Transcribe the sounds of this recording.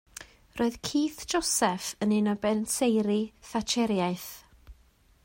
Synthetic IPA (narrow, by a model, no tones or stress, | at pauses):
roːɨðkʰiːθd͡ʒɔsɛfənɪnɔbɛnsejɾiθat͡ʃʰɛɾjaɨjθ